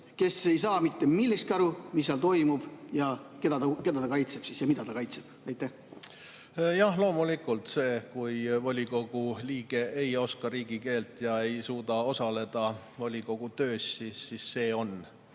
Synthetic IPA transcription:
ke̞se̞jsɑːmit̪ːemilːist̪kɑɾumisːeɑlt̪o̞jmub̥jɑke̞d̪̥ɑt̪ɑke̞d̪ɑt̪ɑkɑjt̪seb̥sisjɑmid̪̥ɑt̪ɑkɑjt̪seb̥ɑjt̪ːˑeh | jɑhlo̞ːmulikːˑult̪se̞ːkujvɑlʲiko̞ɡ̥uliːɡ̥e̞ʔejo̞skɑɾiːɡ̥ike̞ːlt̪jɑe̞jsuːd̪ɑo̞sɑle̞d̪̥ɑ | volʲiko̞ɡ̥ut̪ø̞ːsʲsisːisːe̞ːo̞n

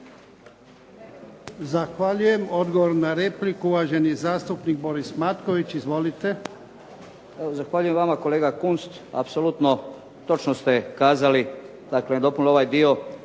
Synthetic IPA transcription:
zaxʋaʎuje̞mo̞d̪ɡoʋoɾnaɾe̞plikuuʋaːʒe̞njezaːst̪upnik̚bo̞ɾismat̪ko̞ʋit͡ɕizʋo̞lit̪e̞ | eozaxʋaʎujemʋamako̞leːɡakunst̪a̰psolut̪no | t̪o̞t͡ʃnost̪ekaːzali | d̪̥akled̪o̞punoʋajd̪io

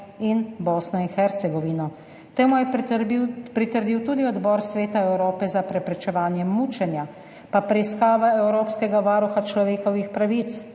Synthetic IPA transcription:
inboːsnɔinxɛɾt̪sɛɡɔʋinɔ | t̪eːmujɛ | pɾit̪əɾd̪iwt̪uːd̪iɔd̪bɔːɾsʋeːt̪aɛwɾoːpɛzapɾɛpɾɛt͡ʃɛʋaːnjɛmuːt͡ʃɛnja | papɾɛiskaːʋaɛwɾoːpskɛɡaʋaːɾuxat͡ʃlɔʋeːkɔʋixpɾaʋit̪s

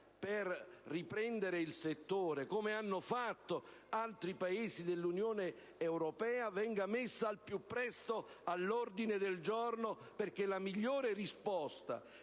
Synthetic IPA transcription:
perrːipɾɛnd̪eɾeilset̪ːoːɾekomeanːofat̪ːoalt̪ɾipaeːsid̪elːunjoːne | ewɾopɛːavɛŋɡamɪsːaːlpjupːɾɛst̪oalːɔrd̪ined̪eld͡ʒorno | perk̟elamiʎːoːɾerispɔst̪a̰

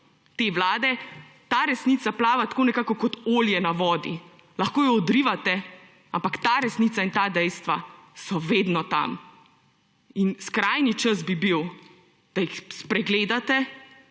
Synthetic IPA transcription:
t̪eːʋlaːd̪ɛ | t̪aːɾɛsnit̪saplaːʋat̪ḁkoːnɛkaːkɔkɔt̪oːljɛnaʋɔːd̪ḭ | laxkoːjɔɔd̪ɾiʋat̪ɛ | ampakt̪aːɾɛsnit̪saint̪aːd̪ɛjst̪ʋasɔʋeːd̪nɔt̪a̰m | inskɾaːjnit͡ʃəzbibiw | d̪̥aixspɾɛɡleːd̪at̪ɛ

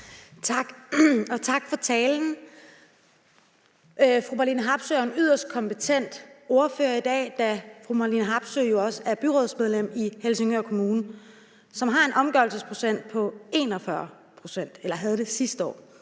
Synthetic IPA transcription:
t͡sʰɑ̈ɡ̥ɒ̽t͡sʰɑ̈ɡ̥fɒ̽t͡sʰɛːln̩ | fʁub̥ælinɦɑ̈b̥søæɐenyðˠɐsd̥̚kʰɒ̽mpet͡sʰen̰d̥o̝ɐføːɐid̥ɛ̰ːd̥æfʁumɑlinɦɑ̈b̥søjo̝ɒ̽səæɐb̥yʁɔð̞̰ˠsmeð̞ˠlem̰ihelse̝ŋøkʰo̝muːnə | sɒ̽mɦɑ̈e̝nʔɒ̽mɡ̥ɶɐlsəspʰʁo̝̥sen̰d̥̚pʰɒ̽e̝ːnɒ̽fɶɐ | pʰʁo̝sen̰d̥elɐɦæð̞ˠd̥e̝sisd̥əɒ̰ː

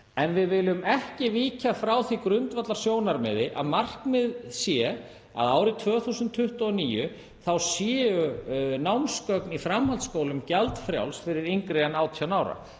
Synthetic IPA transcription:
ɛnvɪðvɪlʏmɛhcɪviːcafɾawθikɾʏnt̪vat̪laɾ̥sjoːwnaɾmɛðɪʔa̰ðmar̥kmɪðsjɛ | a̰ðaːwɾɪt̪ʰvœːθusʏnt̪ʰːʏht̪ʏɔniːjʏ | θawsjɛːʏnawmskœknifɾamhalt̪skoːwlʏmcɛlt̪fɾja̰wlsfɪɾɪɾiŋkɾɛanaːwt̪ʰjanaːwɾa̰

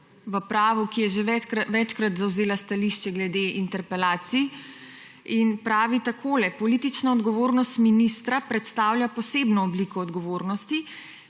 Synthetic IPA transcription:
ʋəpɾaːʋukijɛʒeʋɛt͡ʃkɾat̪zawzeːlast̪aliʃt͡ʃɛɡlɛd̪eʔint̪ɛɾpɛlaːt̪si | inpɾaːʋit̪akʰoːlɛpɔlit̪it͡ʃnaɔd̪ɡɔʋoːɾnɔst̪minist̪ɾapɾɛt̪st̪awljapɔseːbnɔɔblikɔːd̪ɡɔʋoːɾnɔst̪i

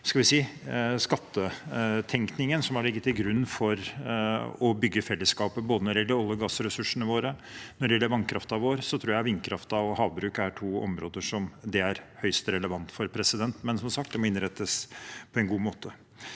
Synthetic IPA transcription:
skɑlʋɪsiːskɑt̪ːət̪ʰɛŋknɪŋənsɔmɑɭɪɡːət̪ːɪlɡɾʉnːfɔɾ | ɔbʏɡːəfɛlːəskɑːpəboːd̪ənɔɖɛjɛlːəɾɑlːəɡɑːsɾɛsʉʂəɳəʋoːɾənɔɖɛjɛlːəɾʋɑnkʰɾɑft̪ɑʋoːɾsɔt̪ʰɾuːɾjæɪʋɪnkʰɾɑft̪ɑɔhɑːʋbɾʉːkæʈʰuːɔ̰mɾoːd̪əʂɔmd̪ɛæɾhœʏst̪ɾɛləʋɑnt̪fɔɾpʰɾɛsɪd̪ɛnt̪mɛnsɔmsɑkt̪d̪ɛmɔɪnɾɛt̪ːəspʰɔɛnɡuːmoːt̪ʰə

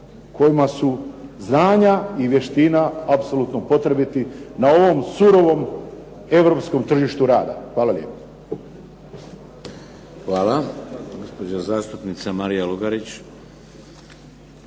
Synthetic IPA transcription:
kʰo̞jimasuznaːɲaiʋje̞ʃt̪inaapsolˠut̪nopo̞t̪ɾebit̪inao̞ʋo̞msuɾo̞ʋo̞m | e̞ʋɾo̞psko̞mt̪r̩ʒiʃt̪uɾaːd̪a̰xʋaːlalje̞̰ːpo̥ | xʋaːlaɡospod͡ʑazaːst̪upnit̪samaɾijaluɡaɾit͡ɕ

